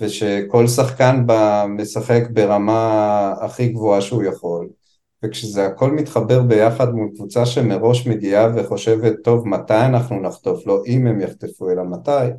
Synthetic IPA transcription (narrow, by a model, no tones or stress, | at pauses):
ve̞ʃe̞ko̞lsaχkanbame̞saχe̞kbe̞ʁamaːχiɡvo̞aʃeujaχo̞l | vekʃezeako̞lmit̪χabe̞ʁbe̞jaχadmulkvut͡saʃe̞me̞ʁo̞ʃme̞ɡiave̞χo̞ʃe̞ve̞t̪ːo̞vmatajanaχnunaχt̪o̞flo̞ʔime̞mjaχtefuelamataj